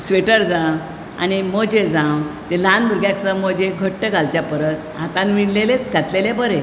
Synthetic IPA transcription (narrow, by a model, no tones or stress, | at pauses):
sʋeʈəɾd͡zãw | a̰ñimɔd͡ʑed͡zãwt̪elanbʱəɾɡjãksəməd͡ʑeɡʱəʈːəɡʱalt͡ɕjapəɾət͡s | at̪ãnʋiɳlelet͡skat̪lelebəɾe